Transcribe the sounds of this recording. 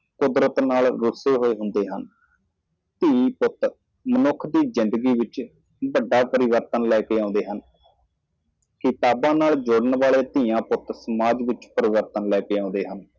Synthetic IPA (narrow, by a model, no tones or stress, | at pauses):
kʊd̪ɾət̪naːlɾʊseːɦoːeːɦʊnd̪eːɦən | t̪iːipʊt̪ | mənʊkʰːd̪iːzɪnd̪əɡiːʋɪt͡ʃ | bəɖːaːpəɾɪʋəɾt̪ənlɛːkeːãːnd̪eːɦən | kɪt̪aːbãːnaːld͡ʒʊɽəɳʋaːɭeːt̪ijãːpʊt̪səmaːd͡ʒʋɪt͡ʃpəɾɪʋəɾt̪ənlɛːkeːãːʊ̃nd̪eːɦən